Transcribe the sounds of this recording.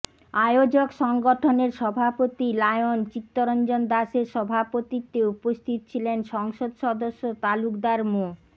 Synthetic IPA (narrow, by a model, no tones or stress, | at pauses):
ajod͡ʑokʃɔŋɡoʈʰoneɾʃɔbʱapot̪ilajont͡ɕit̪ːoɾɔnd͡ʑond̪aʃeɾʃɔbʱapot̪it̪ːeupost̪ʰit̪o̥t͡ɕʰilenʃɔŋʃod̪ʃɔd̪oʃːot̪alukd̪aɾmo